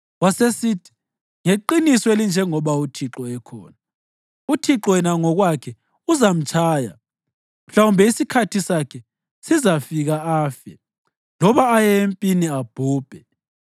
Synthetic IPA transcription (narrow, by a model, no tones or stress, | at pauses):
wasesitʰi̥ | ŋeǃinisɔelind͡ʒʱɛŋɔβautʰiǁɔɛkʰɔ̰ːna | utʰiǁɔɛnaŋɔɣwakʰɛ | uzam̩t͡ʃʰʼaːja̰ | m̩ɬaumbʱɛisikʰatʰisakʰɛ | sizafiɣaaːfɛ̰ | lɔβaːjɛempʼiniab̥ʱuːb̥ʱɛ